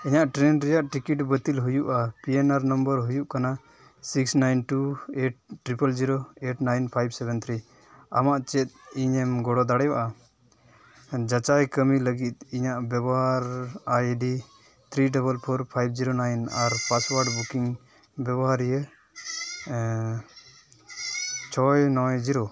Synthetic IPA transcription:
iɲaʔʈɾɛnɾɛjaʔʈikiʈbət̪ilɦujuʔapiɛnaɾnəmbəɾɦujuʔkana | siksnajnʈueʈ̚ʈːɾipəld͡ʒiɾoeʈnajnpʰajbsɛbɛnt̪ʰɾi | a̰maʔt͡ʃɛt̪̚iɲɛmɡɔɽɔd̪aɽɛjaʔa | d͡ʒat͡ʃajkəmiləɡit̪̚iɲaʔbjɛbɔɦaɾajɖi | t̪ʰɾiɖɔbəlpʰɔɾpʰajbd͡ʒiɾonajnaɾpaswaɾɖbukiŋ | bɛbɔɦaɾjə | t͡ʃʰɔjnɔ̃jd͡ʒiɾo

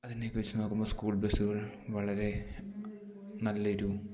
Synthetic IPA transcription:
ɐðineːkːɨʋet͡ɕːɨnoːkːumboːskuːɭbesuɣɐɭ | ʋɐɭɐɾe̞ | nɐlːɐiɾuu

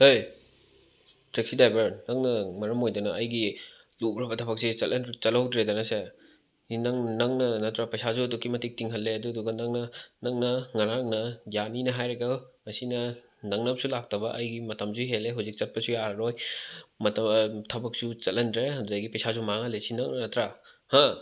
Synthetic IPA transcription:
hoj | tɾek̚sidajbɐɾnɐŋnɐmɐɾɐmojdɐnɐɐjɡi | lubɾɐbɐtʰɐbɐk̚sit͡ʃɐlʔɐnt͡ʃɐlɐwdɾedɐnɐse | inɐŋnɐŋnɐnɐtʰɾɐpɐjsazuɐdukːimɐtik̚tiŋɦɐlːeɐduduɡɐnɐŋnɐnɐŋnɐŋɐɾaŋnɐjaninɐɦajɾeɡɐŋɐsinɐ | nɐŋnɐp̚sulak̚tɐbɐʔɐjɡimɐtɐmzuɦeleɦuzik̚t͡ʃɐt̚pɐsujaɾɾojmɐtɐtʰɐbɐk̚sut͡ʃɐtlːɐndɾeɐduɡɐjɡipɐjsazumaŋɐlesinɐŋnɐnɐtɾaha

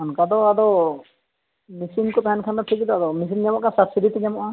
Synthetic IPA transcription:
ankad̪ɔad̪ɔ | misinkɔt̪aɛnkʰand̪ɔt̪ʰikid̪ɔad̪ɔmis̬ind͡ʒamɔʔkasabsiɾit̪id͡ʒamɔʔa

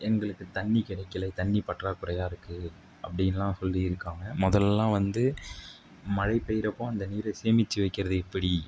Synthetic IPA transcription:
ɛŋɡɐɭɯkːɯt̪ɐɳːikɪɽɐɪkːɪlɐt̪ɐɳːipɐʈraːkʊɾɐjaːɪɾɯkːɯ | ʔɐpːɐɽɪnɐlãːsɔlːiɪɾɯkːaːŋɡɐmɔðɐlɛlːãːʋɐnd̪ɯ | mɐɻɐɪpːɛjɪɾɐpːõɐnd̪ɐniːɾɐseːmɪt͡ʃːɯʋɐɪkːɪɾɐðɯɛpːɐɽi

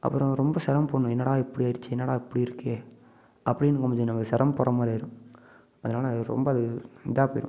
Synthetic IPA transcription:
ʔɐ̰pːɯɾʊ̃ɾɔmbɐsɛɾɐmpoːɳːʊ̃ɛnːɐːɽaːɪpːɐɽiaːɪɾt͡ʃːɯɛnːɐɽãːɪpːɐɽiɪɾɯkːeː | ɐpːɐɽɪnːɯkɔmɐd͡ʒɐnɐmːɐsɛɾɐmpɔɾɐmaːɾiɪɾɯ̃ | ɐðɐnaːlɐɾɔ̰mbɐɐðɯɪd̪aːpoːjɪ̰ɾʊ̰̃

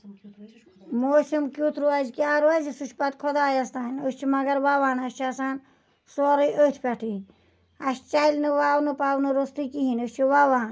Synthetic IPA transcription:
moːsimkʲut̪ʰɾuad͡ʒkjaːɾoazisut͡ʃʰpɐt̪kʰɔd̪aːjɐst̪aːinot͡ʃʰimɐɡɐɾʋaʋaːnɐʃt͡ʃʰasaːn | soːɾiʔət͡ʃʰpɐʈʰi | ɐʃt͡ʃailnɨʋaːwnɨpaːwnɨɾost̪ikiɦinost͡ʃʰiʋaʋaːn

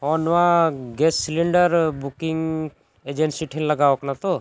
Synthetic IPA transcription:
ɔnʋãɡessliɳɖəɾbukɪŋ | ed͡ʒẽnsiʈʰinləɡaːoknat̪o

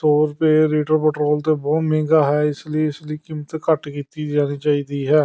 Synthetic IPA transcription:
t̪oːɾpeːɾeːʈəɾpɛʈɾoːlt̪eːbɔːmɛẽːɡaːɦɛːɪsləiːɪsləiːkimːət̪kəʈkiːt̪iːd͡ʒaːñiːt͡ʃaːiːd̪iːɦɛː

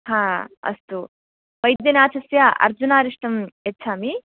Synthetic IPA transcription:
hãːɐ̰st̪u | ʋɐjd̪jɐnaːt͡ʃʰɐsjaʔɐ̰ɾd͡ʒunaːɾiʂʈɐmɐt͡ʃʰaːmi

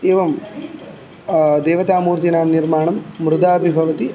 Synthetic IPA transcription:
eːʋɐm | d̪eːʋɐt̪aːmuːɾt̪inaːmniɾmaːɳɐmːɾud̪aːɐbʱibʱɐʋɐt̪i

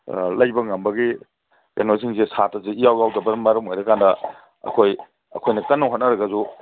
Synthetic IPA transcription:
lɐjbɐŋɐmbɐɡi | ja̰nosʰiŋzesatɐzeijawjawdɐbɐmɐɾɐmojɾɐkandɐ | ɐ̰kʰoj | ɐ̰kʰojnɐkɐnːɐwɦot̚nɐɾɐɡɐzu

